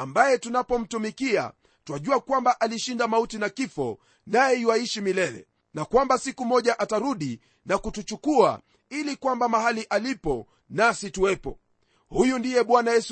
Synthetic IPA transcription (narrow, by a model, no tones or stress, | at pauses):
ambajɛtunapɔm̩tumikia̰ | twaʄuakwambaʔaliʃindamautinakifɔ | najɛiwaiʃimilɛlɛ̰ | nakwambasikumɔʄaʔataɾuɗi | nakutut͡ʃukua̰ | ilikwambamahaliʔalipɔ | nasituwɛpɔ | hujundijɛɓwanajɛs